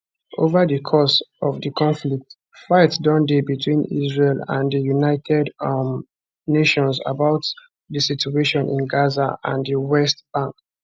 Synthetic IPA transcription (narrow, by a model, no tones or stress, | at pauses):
ʔovədəkʰɔsɔvdəkʰɔ̃nflik̚t | faɪtdɔ̃ndebitʰwĩnḭzɹelã̰ndəjunaɪtʰɛd | neʃɔ̃nsa̰baʊt | dəsitueʃɔ̃nʔḭ̃nɡazaã̰ndiwɛst̚b̥ãŋk